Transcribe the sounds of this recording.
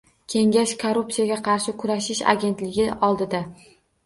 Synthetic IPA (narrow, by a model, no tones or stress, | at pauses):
kʲʰe̞ŋɡʲaʃkʰoɾupsijaɡʲaqʰɑɾʃɪkʰʊɾaʃɪʃa̰ɡʲe̞nt̪lɪɡʲɪʔɒlˠd̪ɪd̪a